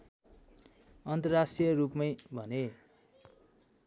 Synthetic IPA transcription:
ʌnt̪ʌrrasʈijʌrupmʌjbʱʌne

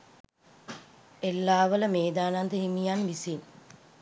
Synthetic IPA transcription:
elːaːʋələmeːd̪aːnand̪əɦimijanʋisin

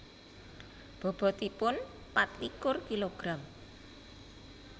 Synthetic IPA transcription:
b̥ɔ̤b̥ɔ̤t̪ipʊn | pat̪likʊrkiloɡ̥ɾam

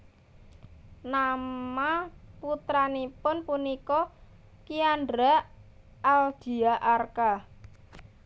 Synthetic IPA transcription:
namaput̪ɾanipʊnpunikɔ | kiandɾa | ald̪̥i̤aʔarka

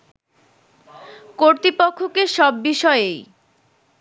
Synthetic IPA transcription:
koɾt̪ipokʰːokeʃɔbːiʃɔeej

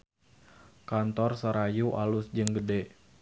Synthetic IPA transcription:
kant̪ɔrsəɾajuʔa̰lusd͡ʒəŋɡədɛ

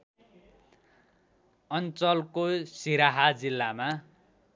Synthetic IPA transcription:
ʌnt͡sʌlkosiɾaɦad͡zilːama

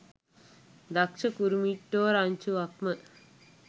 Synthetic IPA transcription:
d̪ɐkʂɐkuɾumiʈːoːɾaːɲʲt͡ʃuʋɐkmɐ

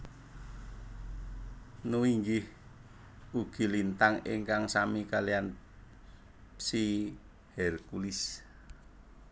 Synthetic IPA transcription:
nuwiŋɡɪh | uɡ̥i̤lint̪aŋiŋkaŋsamikalian | si | hɛrkulis

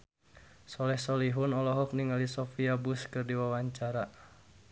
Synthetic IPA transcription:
sɔlɛhsɔliɦunɔlɔɦɔk̚niŋalisɔfiabuskɨrdiwawaɲt͡ʃaɾa

